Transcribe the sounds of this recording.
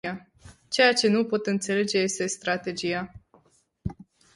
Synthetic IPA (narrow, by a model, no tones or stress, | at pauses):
a | t͡ʃe̞jat͡ʃe̞nupo̞t̪ɨnt̪se̞le̞d͡ʒeje̞st̪e̞st̪ɾat̪e̞d͡ʒija